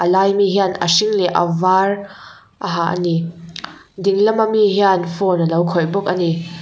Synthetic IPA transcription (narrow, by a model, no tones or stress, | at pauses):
ʔɐlaːjmiɦianɐ̰siŋlɛʔɐ̰var | ʔɐɦaʔɐ̰ni | diŋlɐmamiɦianfɔnɐlɐwkʰɔjbɔk̚ɐni